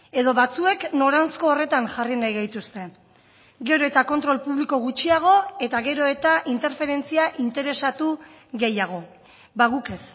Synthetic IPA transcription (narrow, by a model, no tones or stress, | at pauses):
e̞ðo̞βat͡sue̞kno̞ɾansko̞ːre̞t̪anʝarinajɣajt̪ust̪e̞ | ɡe̞ɾo̞e̞t̪ako̞nt̪ɾo̞lpuβliko̞ɣut͡ʃiaɣ̞o̞e̞t̪aɣe̞ɾo̞e̞t̪aʔint̪e̞ɾfe̞ɾe̞nt͡siaʔint̪e̞ɾe̞sat̪u | ɣe̞jaɣ̞o̞ | baɣuke̞s